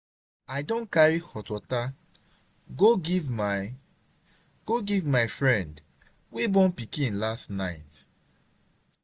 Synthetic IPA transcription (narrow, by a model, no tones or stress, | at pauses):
aɪdõnkaɹihɔtwɔta | ɡoɡivm | ɡ̥oɡivmaɪfɹɛ̃nd | webɔ̃npikĩnlastnaɪt